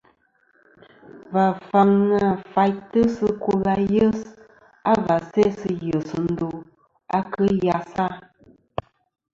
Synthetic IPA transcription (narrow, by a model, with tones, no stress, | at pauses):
va˨fa˨ŋnə˨fa˨jtə˦sə˦ko˦la˨jə˦s | a˦va˨sɛ˦sɨ˦jə˨sə˨n̩˦do˨ | a˦kə˦ja˨sa˦